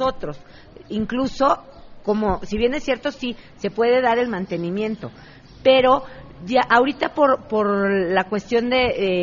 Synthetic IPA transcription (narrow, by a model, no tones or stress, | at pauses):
o̞t̪ɾo̞s | iŋkluso̞ | ko̞mosiβje̞nesːje̞ɾt̪o̞si | se̞pwe̞ðe̞ðaɾe̞lmãnt̪e̞nĩmjẽ̞nt̪o̞ | pe̞ɾo̞ʝaʔaoɾit̪apo̞ɾpo̞ɾlakwe̞st̪jo̞nd̪e̞e